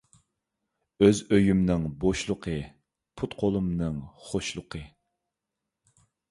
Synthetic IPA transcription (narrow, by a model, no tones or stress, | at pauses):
øzøjymnɨŋboʃlˠʊqʰə | pʰut̪qʰolˠumnɨŋχoʃlˠʊqʰə